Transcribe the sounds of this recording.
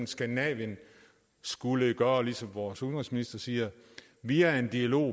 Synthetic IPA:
nsɡ̥ændinɛ̰ʋjən | sɡ̥uləɡ̥ɶːɐlisɒ̽mʋɒːshonʁisminisd̥ɐsiːɐ | ʋiæe̝nd̥iælo̝̰ː

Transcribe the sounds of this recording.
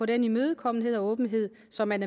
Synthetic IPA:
ɒ̽denimøːð̞̩ˠkʰɒ̽m̰n̩ɦe̝ð̞̰ˠɒ̽ɔ̽ːb̥n̩ɦe̝ð̞̰ˠ | sɒ̽mænæ

